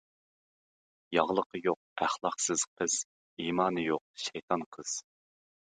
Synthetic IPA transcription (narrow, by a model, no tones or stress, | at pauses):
jɑʁlˠəqʰəjoq̚æχlˠɑqsɨz̥qʰəz̥ | imɑːnɨjoq̚ʃɛjt̪ʰɑnqʰəz̥